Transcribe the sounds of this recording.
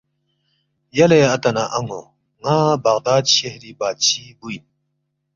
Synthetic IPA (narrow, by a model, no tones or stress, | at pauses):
jɐleɐt̪ɐnaʔɐŋo̰ | ŋaːbɐɣd̪aːd̪̚ɕehɾibaːt̪̚t͡ɕʰibuin